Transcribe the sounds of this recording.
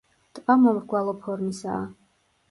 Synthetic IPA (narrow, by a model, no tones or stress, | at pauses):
t̪ʼqʼamɔvɾɡwalˠɔpʰɔɾmisa̰ː